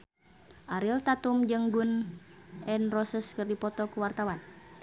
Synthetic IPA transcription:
ʔaɾilt̪at̪umd͡ʒɨŋɡunʔɛnrɔsəskɨrdipɔt̪ɔkuwart̪awan

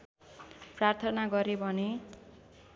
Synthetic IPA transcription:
prart̪ʰʌnaɡʌɾebʱʌne

